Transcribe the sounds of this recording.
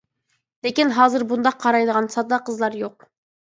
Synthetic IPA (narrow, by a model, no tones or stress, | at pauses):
lekʲinɦɑːzɨɾbund̪ɑqʰːɑɾɑjd̪əʁɑnsɑd̪ɑqʰəzlˠɑɾjoq̚